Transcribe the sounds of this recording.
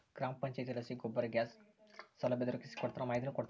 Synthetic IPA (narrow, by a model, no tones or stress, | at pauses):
ɡ̥ɾaːmpɐɲt͡ʃajt̪ilɐsiɡobɐɾɡʲaːsː | ɔlɐbed̪uɾɐkisi̥kɔɽut̪ːɾɐmaːjd̪inukɔɽt̪